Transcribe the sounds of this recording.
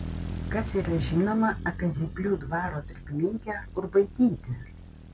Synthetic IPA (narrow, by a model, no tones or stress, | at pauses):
kɐsiːɾɐʒʲɪnoːmɐɐpʲɛzʲipʲlʲuːd̪ʋɑːɾoːt̪ɪɾʲpʲɪmʲɪŋʲkʲɛːʊɾbɐɪt̪ʲiːt̪ʲɪ